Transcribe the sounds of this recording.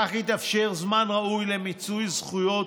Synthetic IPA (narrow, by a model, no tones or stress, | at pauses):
aχit̪afʃeʁzmanʁaujlemit͡sujzχujo̞